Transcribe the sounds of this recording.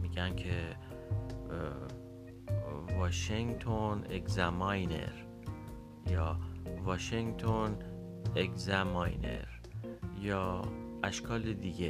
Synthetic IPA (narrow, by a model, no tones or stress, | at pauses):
miːɟænkʰe | vɒːʃeŋt̪ʰonekzæmɒjnḛɾ | jɒːvɒːʃeŋt̪ʰon | ekzæmɒjne̞̰ɾ | jɒːʔæʃkʰɒːled̪iɡe